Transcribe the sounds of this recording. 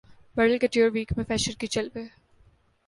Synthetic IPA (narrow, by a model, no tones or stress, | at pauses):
bɐɽəlkeʈiɾʋiːkmẽfɛːʃəɾkit͡ʃɐlbeː